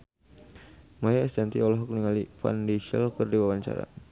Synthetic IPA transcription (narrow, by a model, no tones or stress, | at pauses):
mɔjaɛst̪ɛnt̪iɔlɔɦɔk̚niŋalifa̰ndiʃia̰lkərdiwawaɲt͡ʃa̰ɾa̰